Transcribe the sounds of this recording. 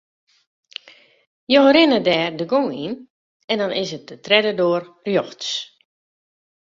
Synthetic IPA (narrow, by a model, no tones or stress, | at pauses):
joəɾɪnədɛːrdəɡoŋin | ɛndɔnɪsət̚ətrɛdədoərrjoxts